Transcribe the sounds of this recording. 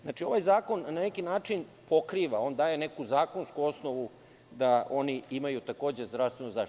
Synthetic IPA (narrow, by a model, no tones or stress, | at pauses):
znat͡ʃio̞ʋajzaːko̞nnanekinaːt͡ʂinpo̞kɾiːʋao̞ːnd̪aːje̞ne̞kuzaːko̞nskuo̞sno̞ʋu | d̪aʔo̞niimajut̪ako̞ːd͡ʑe̞zd̪ɾast̪ʋenuza